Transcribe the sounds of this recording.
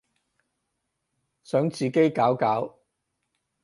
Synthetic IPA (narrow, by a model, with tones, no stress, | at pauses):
sœː˨˥ŋt͡siː˨ke˥jkaː˨˥wkaː˨˥w